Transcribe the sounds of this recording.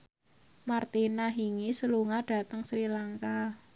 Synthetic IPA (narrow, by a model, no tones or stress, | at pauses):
mart̪inaɦiŋisəluŋaɖ̥a̤t̪əŋsɾilaŋka